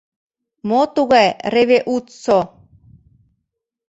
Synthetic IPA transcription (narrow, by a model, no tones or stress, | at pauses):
mot̪uɣɑjɾeβeʔut̪so